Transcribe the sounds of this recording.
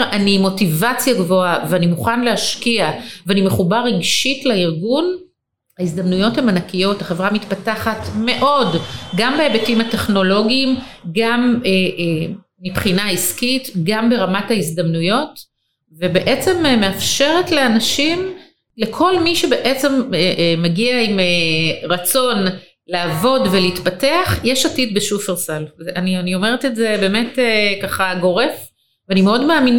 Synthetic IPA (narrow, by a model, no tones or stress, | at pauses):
animo̞tivat͡sjaɡvo̞aveanimuχanleaʃkiaveanime̞χubaʁeɡʃitlaiʁɡun | haisd̪amnujo̞the̞manakijo̞thaχe̞vʁamitpataχatme̞ʔo̞dɡambeebetimate̞χno̞lo̞ɡiːmɡameː | ipχinaiskitɡambe̞ʁamathaizd̪amnujo̞t | vebe̞ʔet͡se̞mmeafʃe̞ʁetleanaʃim | lekʰo̞lmiʃebe̞ʔet͡se̞meʔmeɡiaimeʁat͡so̞n | laːvo̞dveliːtpateaχjeʃatit̚beʃufeʁsalzanianio̞meʁetetze̞be̞ːme̞tekaχaɡo̞ʁe̞f | vanimeo̞dmaːmin